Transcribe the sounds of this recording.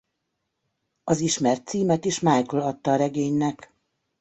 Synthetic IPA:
ɒziʃmɛrt̪siːmɛt̪iʃmajkolɒt̪ːɒːɾɛɡeːɲnɛk

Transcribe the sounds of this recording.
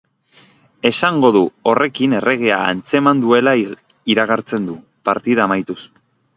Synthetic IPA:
e̞saŋɡo̞ðuo̞re̞kine̞re̞ɣ̞e̞a̰ːnt͡se̞mand̪ue̞la | iɾaɣ̞aɾt͡se̞nd̪u | paɾt̪iðaːmajt̪us

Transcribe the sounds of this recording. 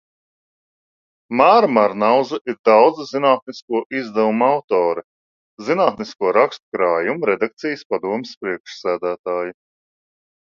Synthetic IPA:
maːɾmaɾnawzaʔiɾd̪awd̪zzinaːt̪̚niskuɔʔizd̪ɛvumawt̪ɔːɾɨ | zinaːt̪niskuɔɾakst̪kɾaːjumuɾɛd̪ak̚t̪sijəspad̪uɔmɪspɾiɛkʃsæːd̪æːt̪aːju

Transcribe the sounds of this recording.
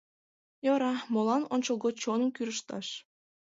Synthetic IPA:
joɾɑmolˠɑnont͡ɕolˠɡot͡ɕonɤ̆mkyɾəʃt̪ɑ̰ʃ

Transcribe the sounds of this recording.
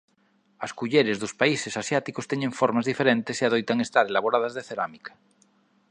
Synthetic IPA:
askuʎeɾezðospaisesasjat̪ikost̪eɲeɱfoɾmazðife̞ɾẽnt̪esiaðojt̪aŋe̞st̪aɾelaβ̞oɾað̞azðeθeɾamikḁ

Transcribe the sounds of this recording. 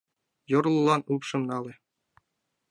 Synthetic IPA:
jŏrlˠɤ̆lˠɑnupʂɤ̆mnɑlʲĕ

